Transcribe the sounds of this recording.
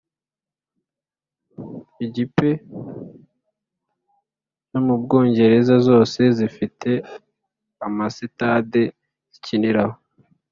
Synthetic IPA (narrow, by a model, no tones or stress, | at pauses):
iɟipe̞ | nomub̚ɡo̞ːɲɟe̞ɾe̞zazo̞ːse̞zifitʰe̞ | amasitaːde | ziciniɾaho